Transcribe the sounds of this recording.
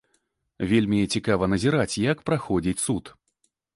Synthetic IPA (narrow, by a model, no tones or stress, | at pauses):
vʲelʲmʲiɛt͡sʲikavɐnɐzʲiɾat͡sʲjɐkpɾaxɔd͡zʲit͡sʲsut̪